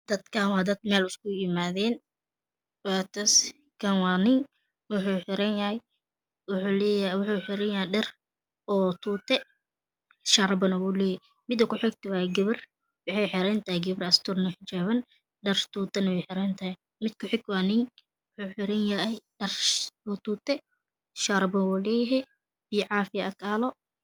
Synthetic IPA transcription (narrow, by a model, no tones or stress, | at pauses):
d̪̥ɐd̪kʰaːnwɑːd̪ɐd̪mɛːlʊskʊjɪmaːðɛːn | waːt̪ʰɐs | kʰɐnwɑːnɪŋ | wʊħuːħɪɾɐnjɐhɛj | ljwʊħuːħɪɾɐnjɐhɛjɖɐr | ɔːt̪ʰuːt̪ʰɛ | ʃaɾɐbɐnɐwuːlɛːjɪ | mɪd̪ɐkʰʊħɪɡ̚t̪ʰɐwɑːɡɐβɐr | wɑħɛjħɪɾɛnt̪ʰaːjɡɐβɐrɐst̪ʰʊrnɔħɪt͡ʃaːβɐn | ɖɛrt̪uːt̪ɐnɐwɛjħɪɾɛnt̪ʰaːj | mɪd̪kʰʊħɪɡwaːnɪŋ | wʊħuːħɪɾɛnjɐɛɖɐrɔːt̪uːt̪ʰɛ | ʃaːɾbɐnwuːlɛːjɐɦɛ | b̥iːʕɑːfɪjɐʔɐkʰaːlɔ